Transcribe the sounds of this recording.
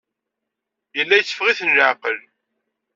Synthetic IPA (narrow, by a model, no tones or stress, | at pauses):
jəlːæjət͡sːə̥fʁiθənləʕqəl